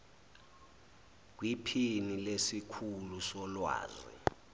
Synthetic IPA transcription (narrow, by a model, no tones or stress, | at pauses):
k̬wipʰinilesikʰulusɔlwa̰ːzḭ